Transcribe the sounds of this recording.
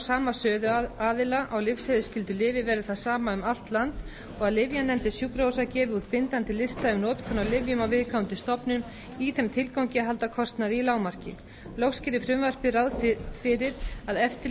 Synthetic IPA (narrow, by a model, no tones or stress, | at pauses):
saːmasœːðʏaːðɪlaʔawlɪfshɛðɪscɪlt̪ʏlɪːvɪvɛːɾʏθaðsaːmaʏmal̥t̪lant̪ | ɔɣaðlɪvjanɛmt̪ɪsjukɾowsacɛːvɪut̪̚pɪnt̪ant̪ɪlɪst̪aʏmnɔːt̪kʰɔnːalɪvjʏmawvɪðkʰawnt̪ɪst̪ɔpnʏm | iθɛmt̪ʰɪlkawŋcɪaɦal̪t̪akʰɔst̪naðɪilaːwmar̥cɪ̰ | lɔxscɪɾɪfɾʏmvar̥pɪɾawðfɪɾɪɾaðɛft̪ɪ